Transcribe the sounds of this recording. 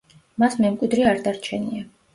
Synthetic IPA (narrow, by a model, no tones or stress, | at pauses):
masmɛmkʼwid̪ɾiaɾd̪aɾt͡ʃʰɛnia